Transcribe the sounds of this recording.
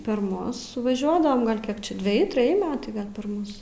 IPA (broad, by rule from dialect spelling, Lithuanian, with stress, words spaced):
pʲɛr ˈmʊs sʊʋɐˈʒʲuɔdɐʋɐm ɡɐlʲ ˈkʲiɛk t͡ʃʲɪ dʲʋʲɛˈjɪ tʲrʲɛˈjɪ ˈmʲæːtɐɪ ˈɡɐlʲ pʲɛr ˈmʊs